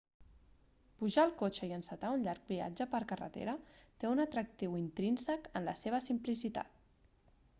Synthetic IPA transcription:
puʒaəlˠkot͡ʃəiənsət̪aunʎaɾk̚bia̰d͡ʒəpəɾkərə̰t̪ḛɾət̪eunət̪ɾək̚t̪iwint̪ɾinsəkənləseβ̞əsimplisit̪a̰t̪̚

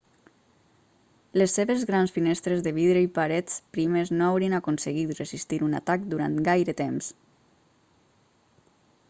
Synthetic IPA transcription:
lesːeβezɣɾansfinɛst̪ɾezðəβiðɾəipaɾɛt͡spɾimeznoawɾiənakunsəɣit̪rəzist̪iɾuna̰t̪ak̚d̪uɾa̰nt̪ɡajɾət̪ems

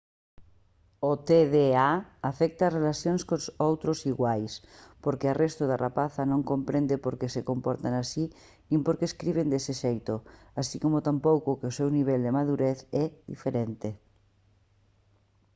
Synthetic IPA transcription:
ot̪eðeaafɛk̚t̪aːzrelaθjõnskosowt̪ɾosiɣwajspoɾkearest̪oðarapaθanõŋkõmpɾẽnd̪epoɾkesekompoɾt̪anasi | nĩmpoɾkeːskɾiβ̞end̪eseʃejt̪o | asikomot̪ampowkokeosewniβ̞eld̪emaðuɾeθɛðḭfeɾent̪e

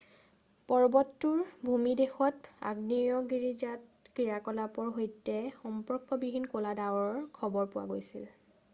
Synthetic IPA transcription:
pɔɹbɔtːʊɹbʱumidexɔta̰ɡniɹɔɡiɹizatkɹiɹakɔlapɔɹɦojtːɛxɔmpɔɹkːɔbibʱinkoladawɔɹkʰɔbɔɹpʊwa̰ɡojsil

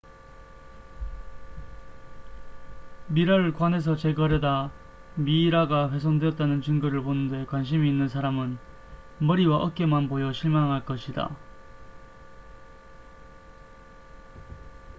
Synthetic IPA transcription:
miɾaɾɯɭkwane̞s̬ʰʌt͡ɕe̞ɡʌɾjʌda | miːɾaɡaɸwe̞s̬ʰondweʌt͈̚anɯnt͡ɕɯŋɡɯɾɯɭponɯndwe̞kwanɕ̬ʰimiːnːɯns̬ʰaɾamɯn | mʌɾiwaʔʌk̚k͈e̞manbojʌɕʰiɭmaŋɦaɭk͈ʌɕʰida̰

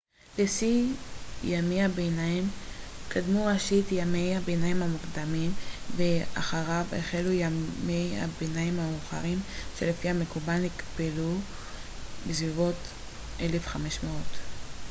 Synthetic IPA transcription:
lesi | jamihabenaimkʰadmuʁaʃitjame̞jabenajimhamukdamimveʔa̰χaʁavḛχelujamejha̰benaimhauχa̰ʁimʃe̞lefihame̞kubalikbelu | besvivo̞t | ʔe̞le̞fχameʃmeo̞t

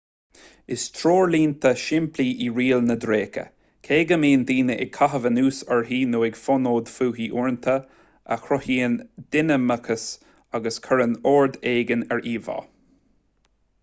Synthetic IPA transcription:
ɪst̪ʰɾoːɹliːnt̪ʰəʃɪmpʰliːʔiɹiːlnəd̪ɾeːkə̰ | kʰeːɡəmiːnd̪iːnəʔɪ̰ɡ̚kʰaɦəvənuːsɛɹɦiːnoːɪɡfɔnoːd̪fuːɦiːʔuɹnt̪ʰə | ʔə̰xɾɔhiːənd̪̥ɪnəməkʰəs | aɡəskʰəɹənoːɹd̪eːɡənɛɹʔiːvɑ̰ː

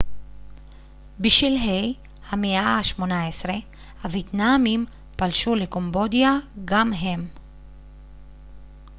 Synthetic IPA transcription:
biʃvilɦej | hameʔaʃmo̞naesʁe̞ | havjet̪namim | palʃuleko̞mbo̞d̪ijaɡamɦe̞m

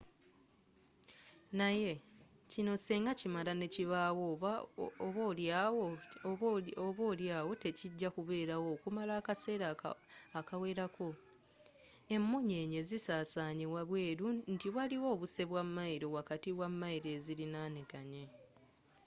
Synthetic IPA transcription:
naje̞cino̞seːŋɡacimalane̞ciβawo | βolwo | oβoljaːwo̞te̞ciɟːakuβe̞ːɾawo̞ːkumalaːkase̞ːɾaakawe̞ːɾako̞ | e̞mːoɲe̞ːɲe̞zisaːsaːɲewaβwe̞ːɾuntiwaliwo̞ːβuse̞βwamːaiɾo̞wakatiwamːaiɾe̞ːzilinaːnekaɲe

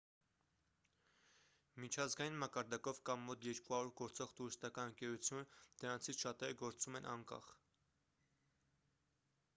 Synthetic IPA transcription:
mit͡ʃʰɑzɡɑjinmɑkɑɾd̪ɑkɔvkɑmːɔt̪ʰjɛɾkuɦɑɾuɾɡɔɾt͡sɔʁt̪uɾist̪ɑkɑnəŋkɛɾut͡sʰjunəd̪̥əɾɑnt͡sʰit͡sʰʃɑt̪ɛɾəɡɔɾt͡sumɛnʔɑŋkɑ̰χ

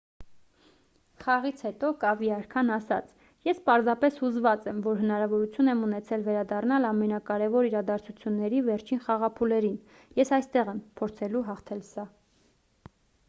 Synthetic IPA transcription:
χɑʁit͡sʰhɛt̪ɔkɑviɑɾkʰɑnɑsɑ̰t͡sʰ | jɛspɑɾzɑpɛshuzvɑt͡sɛmvɔɾɦənɑɾɑvɔɾut͡sʰjunɛmunɛt͡sʰɛlvɛɾɑd̪ɑrnɑlɑmɛnɑkɑɾɛvɔɾiɾɑd̪ɑɾt͡sʰut͡sʰjunːɛɾivɛɾt͡ʃʰinχɑʁɑpʰulɛɾin | jɛsɑjst̪ɛʁɛmpʰɔɾt͡sʰɛluɦɑχt̪ʰɛlsɑ

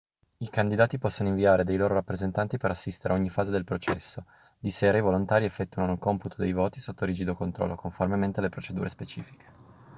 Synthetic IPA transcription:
ikand̪id̪aːt̪ipɔsːonoiɱviaːɾed̪ejloːɾoɾapːɾezent̪ant̪ipeɾasːist̪eɾeaoɲːifaːzed̪elpɾot͡ʃɛsːo | d̪iseːɾaivolont̪aːɾiɛfːɛt̪ːuanokomput̪ʰod̪ejvoːt̪i̥sot̪ːoɾid͡ʒid̪okont̪ɾɔ̰lːokoɱformement̪ealːepɾot͡ʃed̪uːɾespet͡ʃḭːfi̥kʰe̥

